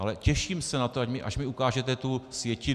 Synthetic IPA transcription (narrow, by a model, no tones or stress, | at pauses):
alɛcɛʃiːmsɛnat̪oacmɪʔa̰ʃmɪukaːʒɛt̪ɛt̪usvjɛcɪ